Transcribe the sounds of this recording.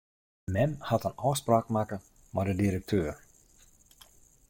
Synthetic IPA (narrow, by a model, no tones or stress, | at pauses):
mɛmhatənɔːspraːkmakə | mɔdədiɾək̚tʰøːr